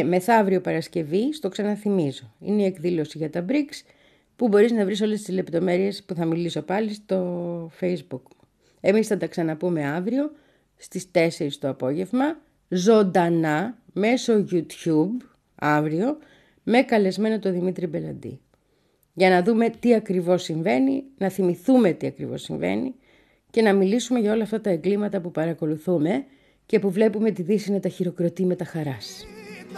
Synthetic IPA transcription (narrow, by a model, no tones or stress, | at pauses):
me̞θɐɐvɾio̞pɐɾɐsce̞vist̪o̞ksɐnɐθimizo̞ḭneie̞kðilo̞siʝɐt̪ɐbɾiks | pubo̞ɾiznɐvɾis̬o̞lest̪izle̞pt̪o̞me̞ɾie̞spuθɐmiliso̞pɐlist̪o̞fejzbuk | e̞misθɐt̪ɐksɐnɐpume̞ɐvɾio̞ | st̪ist̪e̞se̞ɾist̪o̞ɐpo̞ʝe̞vmɐ | zo̞nd̪ɐnɐme̞so̞ʝut̪çub | ɐvɾio̞ | me̞kɐle̞zme̞no̞t̪o̞ðimit̪ɾibe̞lɐ̰nd̪ḭ | ʝɐnɐðume̞t̪iɐkɾivo̞siɱve̞ninɐθimiθume̞t̪iɐkɾḭvo̞̰siɱve̞̰nḭ | ce̞nɐmilisume̞ʝɐo̞lɐːft̪ɐt̪ɐeɡlimɐt̪ɐpupɐɾɐko̞luθume̞ | ce̞puvle̞pume̞t̪iðisinɐt̪ɐçiɾo̞kɾo̞t̪ime̞t̪ɐxɐɾɐs